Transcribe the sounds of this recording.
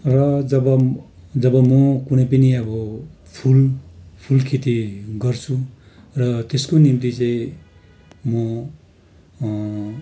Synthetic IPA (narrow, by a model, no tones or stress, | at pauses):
rʌd͡zʌbʌ | d͡zʌbʌmʌkunʌjpʌniʌbʌ | pʰulpʰulkʰet̪iɡʌrt͡sʰu | rʌt̪eskonimt̪it͡saĩ | mʌ